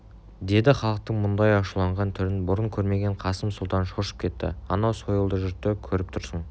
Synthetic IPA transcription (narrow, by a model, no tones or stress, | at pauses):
d̪e̞d̪ɪχɑlˠəq̚t̪əɴmʊnd̪ɑjɑʃulˠɑɴʁɑnt̪ʰʏɾɪnbʊɾəɴkʲʰɵɾme̞ɡʲe̞ɴqʰɑsəmsʊlˠt̪ɑnʃoʃə̥pkʰʲe̞t̪ːɪ̰ɑnɑwsojəlˠd̪əʒʏɾt̪ːekʲʰɵɾɪp̚t̪ʰʊɾsəɴ